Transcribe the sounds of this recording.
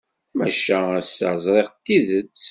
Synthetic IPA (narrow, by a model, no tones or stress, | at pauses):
mæʃææsə̰zˤɾˤeʁt̪ːiðət͡sː